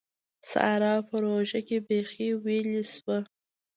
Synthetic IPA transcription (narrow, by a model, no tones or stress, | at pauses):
sɑ̰ɾɑpəɾoʒakʲebexiweliswə